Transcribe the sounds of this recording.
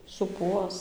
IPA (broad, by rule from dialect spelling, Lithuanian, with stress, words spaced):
sʊˈpuɔs